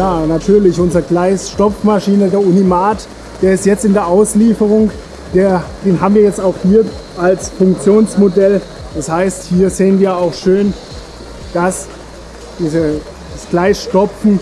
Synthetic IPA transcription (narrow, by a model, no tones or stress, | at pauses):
jaːnatʰyːɐlɪçʔʊnzəʁəɡlaɪsʃtɔpp͡fmaʃiːnədeːɐʔunimaːt | d̥eːɐɪstjɛt͡stɪndeːɐʔaʊsliːfəʁ̞ʊŋ | d̥eːɐd̥eːnɦaːbm̩viːɐjɛt͡staʊxhiːɐ | ʔalsfʊŋk̚t͡sjoːnsmodɛl | d̥ashaɪsthiːɐzeːənviːɐaʊxʃøːn | d̥as | d̥iːzə̥ | asɡ̥laɪsʃtɔp͡fn̩